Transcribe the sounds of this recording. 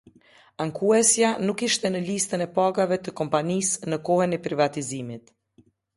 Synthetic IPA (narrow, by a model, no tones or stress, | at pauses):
aŋkuɛsjanukiʃt̪ɛnəlist̪ənɛpaɡavɛt̪əkɔmpanisnəkɔhənɛpɾivat̪izimit̪